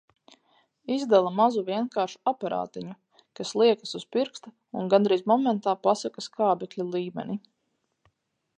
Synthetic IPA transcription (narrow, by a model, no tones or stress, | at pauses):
izd̪alˠamazuviɛnkaːɾʃu̥apaɾa̰ːt̪iɲu | kaslˠiɛkasuz̥piɾkst̪a | unɡand̪ɾijzmɔmɛnt̪aːpasakaskaːbɛklʲilˠiːmɛ̰ni